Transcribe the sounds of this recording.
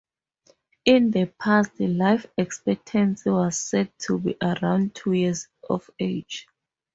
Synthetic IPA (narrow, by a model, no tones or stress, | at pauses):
ĩndəpʰastlajfɛkspɛk̚tʰɛ̃nsiwɔz̥sɛd̚tʰːubḭʔaɹãw̃ndtʰujɛzɔ̰fed͡ʒ